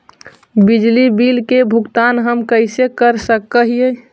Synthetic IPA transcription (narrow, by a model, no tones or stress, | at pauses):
bid͡ʒlibilkebʱuɡt̪anɦəmkəɪsekəɾsəkːəɦije